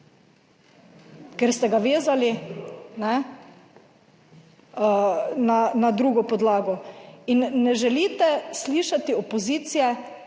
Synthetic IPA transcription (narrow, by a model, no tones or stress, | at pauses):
kɛɾst̪ɛɡaʋeːzalinɛ | nanad̪ɾuːɡɔpɔd̪laːɡɔinːɛʒɛliːt̪ɛsliːʃat̪iɔpoziːt̪sijɛ